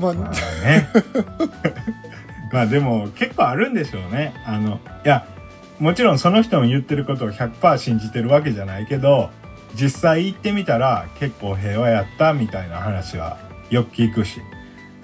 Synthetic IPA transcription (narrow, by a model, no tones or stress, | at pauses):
ne | maːd̪e̞mo̞ke̞kːo̞ːaɾɯ̟̃nd̪e̞ɕo̞ːne̞ano̞ja | mo̞t͡ɕiɾõ̞ɰ̃so̞no̞çi̥t̪o̞mojɯ̟t̪ːe̞ɾɯ̟ko̞t̪o̞ːçʲakɯ̟̥paːɕĩɲ̟d͡ʑit̪e̞ɾɯ̟βak̬e̞ʑanaike̞d̪o̞ | d͡ʑisːaiːt̪ːe̞mʲit̪aɾake̞kːo̞ːɦe̞ːβajat̪ːamʲit̪ainahanaɕiβa̰ | jo̞kɯ̟̥kʲiːkɯ̟ɕḭ